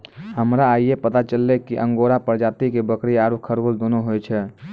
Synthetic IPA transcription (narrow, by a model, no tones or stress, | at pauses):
həmɾaːijepət̪at͡ʃəlːekiʔə̃ŋɡoɾapəɾd͡ʒat̪ikebəkɾiaɾukʰːəɾold̪onoɦojt͡ʃʰɛ